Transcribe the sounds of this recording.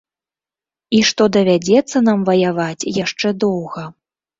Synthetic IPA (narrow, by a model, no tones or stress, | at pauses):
iʂt̪ɔd̪ɐvʲad͡zʲɛt̪sːɐnamvɐjavat͡sʲjaʂt͡ʂɛd̪ɔwɣɐ